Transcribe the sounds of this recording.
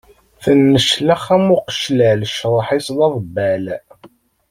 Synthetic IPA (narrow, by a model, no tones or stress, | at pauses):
θənːəʃləχæmʊqə̥ʃlælʃɾˤħislɑðˤbːæl